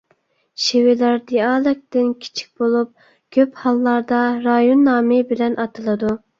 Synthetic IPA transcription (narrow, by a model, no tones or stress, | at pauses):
ʃewɪlæɾd̪iɑːlˠɪk̚t̪ɪnkʲʰi̥t͡ʃʰi̥k̚ʲbolˠup̚ | kʲʰøphɑlˠːɑɾd̪ɑɾɑjonːɑːmɪbɪlɛnʔɑt̪ʰɨlˠɨd̪u